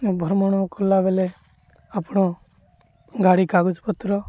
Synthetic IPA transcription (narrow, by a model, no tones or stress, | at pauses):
bʱəɾmɔñokɔlaːʋele | aːpɽ̃o | ɡʱaːɽikaːɡʊd͡ʒpət̪ːɾɔ